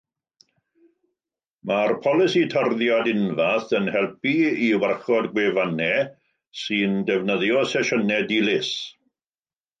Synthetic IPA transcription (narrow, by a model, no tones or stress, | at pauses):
marpʰɔlˠɪsitʰərðjadɪnvaθənhɛlˠpiiwarχɔdɡwevanɛ | sɨndɛvnəðjɔsɛʃɔnɛdilɪs